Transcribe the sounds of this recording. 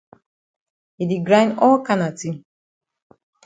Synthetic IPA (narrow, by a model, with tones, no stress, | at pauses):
i˨di˨ɡɾã˦nɔ˦lka˦na˨ti˦